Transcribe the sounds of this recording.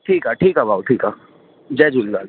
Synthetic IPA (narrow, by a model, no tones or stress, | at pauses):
ʈʰiːkaʈʰiːkabaːwʈʰiːka | d͡ʒɛːd͡ʒuːlɡaːl